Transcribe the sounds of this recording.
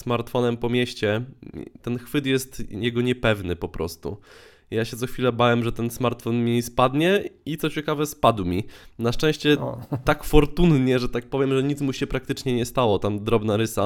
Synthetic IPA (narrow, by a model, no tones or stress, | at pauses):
smaɾt̪fɔnɛmpɔmʲjɛɕt͡ɕɛt̪ɛnxfɘt̪jɛst̪jɛɡɔɲɛpɛvnɘpɔpɾʔɔ̰st̪ṵ | jaɕɛt̪sɔxfʲilɛbawɛmʐɛt̪ɛnsmaɾt̪fɔnmʲispad̪ɲɛit̪sɔt͡ɕɛkavɛspad̪wmʲinaʂt͡ʂɛ̃w̃ɕt͡ɕɛt̪akfɔɾt̪unɲɛʐɛt̪ak̚pɔvʲjɛmʐɛɲit̪smuɕɛpɾak̚t̪ɘt͡ʂɲɛɲɛst̪awɔt̪amd̪ɾɔbnaɾɘsa